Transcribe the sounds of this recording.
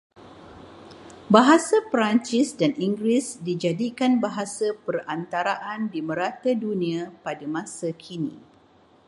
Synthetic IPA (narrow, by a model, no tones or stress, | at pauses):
baɦasapəɾaɲt͡ʃisdaniŋɡɾisdid͡ʒadikanbaɦasapərant̪aɾaʔandimə̃ɾat̪adunĩapadamãsakʰinḭ̃